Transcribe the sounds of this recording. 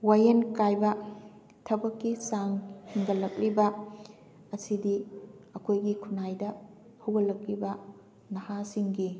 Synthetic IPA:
wajenkajbɐ | tʰɐbɐkːisaŋhiŋɡɐlɐk̚libɐ | ɐsidiɐkʰojɡikʰunajdɐ | hɐwɡɐlɐk̚libɐ | nɐhasiŋɡi

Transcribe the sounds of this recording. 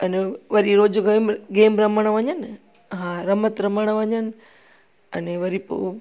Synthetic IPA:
ɐneʋɐɾiɾoːd͡ʒɡemɡeːmɾɐməɽ̃ʋɐɲən | ɦãɾɐmət̪ɾɐməɽ̃ʋɐɲənɪ̆ | ɐ̰neʋɐɾipo̰

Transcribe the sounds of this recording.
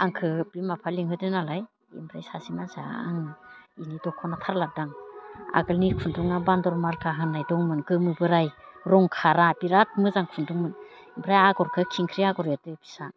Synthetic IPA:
aŋkʰɯpimapʰaliŋɦɯtɯnalaj | ḭmbɾajsasimaza̰a̰ŋɯinidɔkʰɔnatʰaɾladaŋa̰ɡɯlnikʰunduŋabandɔɾmaɾkʰaɦɯnːajdɔŋmɯnkɯmɯbɯɾajɾɔŋkʰaɾapiɾat̚mɯzaŋkʰunduŋmɯn | imbʰɾajaɡɔɾkʰɯkʰiŋkʰɾiaɡɔɾjatɯpʰi̥sa

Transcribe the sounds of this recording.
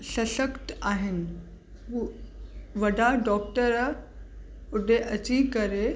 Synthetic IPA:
sɐsəkʈ̪aːɦɪnɪ̆ | ɦu | ʋɐɖʱaɖɔːk̚ʈəɾ | ʊɖʱeʔɐt͡ɕikəɾe

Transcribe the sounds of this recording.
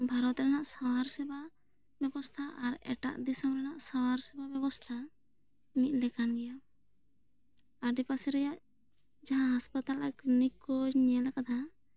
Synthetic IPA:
bʱaɾɔt̪ɾɛnaʔsawaɾsɛba | bɛbɔst̪ʰaʔaɾɛ̰ʈa̰ʔd̪isɔmɾɛnaʔsawaɾsɛbabɛbɔst̪ʰa | mit̪̚lɛkanɡɛjaw | aɖipasɛɾɛjaʔ | d͡ʒaɦãɦaspat̪alaknikɔd͡ʒɲɛlakad̪ʰa

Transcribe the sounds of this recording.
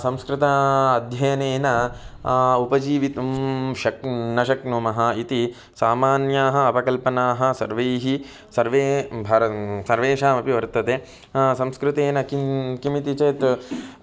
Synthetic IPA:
sɐ̃mskɾɪt̪ɐɐd̪ʱjɐjɐneːnɐ | upɐd͡ʒiːʋit̪ɐmʃɐk̚nɐʃɐknomɐɦɐit̪i | saːmaːnjaːɦɐ̆ɐpɐkɐlpɐnaːɦɐsɐɾʋejɦi | sɐɾʋeːbʱaːɾɐsɐɾʋeːʃaːmɐpiʋɐɾt̪ɐt̪eː | sɐ̃mskɾɪt̪eːnɐkikimit̪it͡ʃɐjt̪

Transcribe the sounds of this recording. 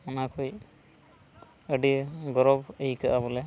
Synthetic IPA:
manakʰuj | əɖiɡɔɾɔbəikaʔabɔlɛ

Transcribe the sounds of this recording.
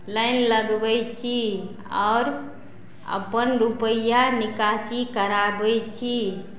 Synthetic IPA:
ləjnləɡbət͡ʃʰi | ɔ̰ːɾ | ə̰pənɾupəjanikasikəɾabət͡ʃʰi

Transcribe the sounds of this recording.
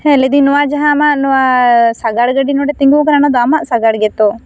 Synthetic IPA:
hɛled̪inɔwad͡ʒaɦãmaʔnɔasaɡaɽɡəɖinɔɖɛt̪iŋɡukɐɾanad̪ɔamaʔsaɡaɽɡɛt̪o

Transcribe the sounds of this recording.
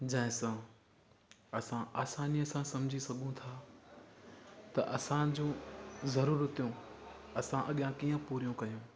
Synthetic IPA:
d͡ʑɐ̃ːɦɪ̃sã | ɐsãʔaːsaːniɐsãsɐmd͡ʑʱisɐɡʱũt̪ʰaː | t̪ɐʔɐsãd͡ʑõːzɐɾuːɾət̪ijõɐsãʔɐɠɪjãkiːə̃puːɾijõkɐjũː

